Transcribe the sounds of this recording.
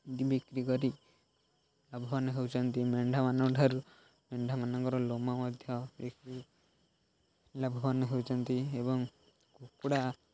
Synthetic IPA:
d̪ibikɾikɔɾi | labʱɔbɔnɔɦewt͡ʃʰɔnt̪imeɳɖʱamanɔɖʱaɾu | meɳɖʱamanɔŋkɔɾɔlomɔmɔd̪ʱjɔbikɾi | labʱɔbɔnɔɦewt͡ʃʰɔnt̪iebɔŋ | kukuɽa

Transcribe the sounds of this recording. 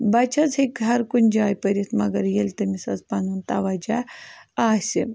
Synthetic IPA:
bɐt͡ʃʰɐzɦekɦɐɾkunʲd͡ʒaːjpɐɾʲit̪ʰmɐɡɐɾjelt̪ɐmisɐzpɐnunt̪aʋad͡ʒaaːsʲi

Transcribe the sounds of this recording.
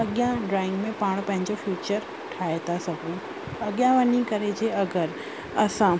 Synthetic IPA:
ɐɠjãɖɾaːɪ̃ŋɡmẽpaːɽ̃pɐ̃ɦɪɲd͡ʑofjuːt͡ɕəɾ | ʈʰaːet̪asɐɡʱũ | ɐɠjãʋɐnĩkɐɾed͡ʑeɐɡəɾ | ɐsã

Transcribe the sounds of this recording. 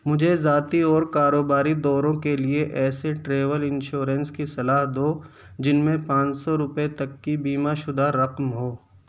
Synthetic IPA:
mʊd͡ʒʱezaːt̪iɔːɾkaːɾoːbaːɾid̪ɔːɾõkelieʔɛːseʈɾeːʋəlɪ̃nʃoːɾə̃nskisɐlaːɦd̪oː | d͡ʒɪnmẽpãːt͡ʃsɔɾʊpet̪ɐkːibiːmaʃʊd̪aɾɐqmɦoː

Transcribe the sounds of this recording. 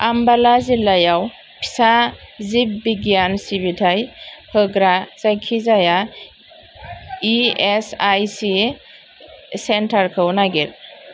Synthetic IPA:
ambalazilajaw | pʰi̥sazip̚biɡjansibitʰajpʰɯɡɾaz̥ajkʰizaja | iesajsi | sentʰaɾkʰɯwnaɡiɾ

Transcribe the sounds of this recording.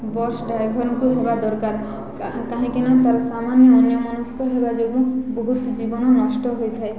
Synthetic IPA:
bɔɾsɖajbʱɔɾnkuɦebad̪ɔɾkaɾ | kaɦẽkenat̪aɾsamanjɔɔnjɔmanust̪ʰɔɦebad͡ʒoɡuboɦut̪d͡ʒibɔnɔnɔʃʈɔɦojt̪ʰae

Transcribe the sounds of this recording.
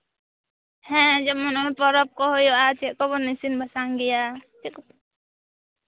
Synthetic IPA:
hɛ̃d͡ʒɔmɔnɔnpɔɾɔp̚kɔɦɔjɔʔatʰɛʔkɔbɔnisinbʱasaŋɡɛjatik

